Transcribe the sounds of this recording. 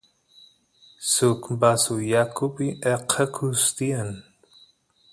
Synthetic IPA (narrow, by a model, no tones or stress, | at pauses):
sukmbasujakʰupiʔeqʰəkʰust̪ian